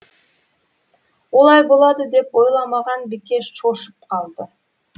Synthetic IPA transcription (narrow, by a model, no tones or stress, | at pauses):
olˠɑjbo̞lˠɑd̪ɨd̪e̞po̞jlˠɑmɑʁɑnbike̞ʃt͡ʃʰoʃu̥p̚qʰɑlˠd̪ə